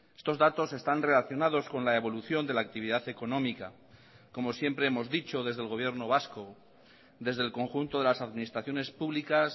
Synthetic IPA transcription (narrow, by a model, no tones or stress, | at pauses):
est̪o̞zðat̪o̞se̞st̪anre̞laθjo̞nað̞o̞sko̞nlae̞β̞o̞luθjo̞nd̪e̞laːk̚t̪iβ̞iðaθe̞ko̞nõ̞mika | ko̞mo̞sje̞mpɾe̞emo̞zðit͡ʃo̞ðe̞zðelɣ̞o̞β̞je̞ɾno̞β̞asko | d̪e̞zðe̞lko̞ŋxunt̪o̞ð̞e̞lasaðminist̪ɾaθjo̞ne̞spuβlikas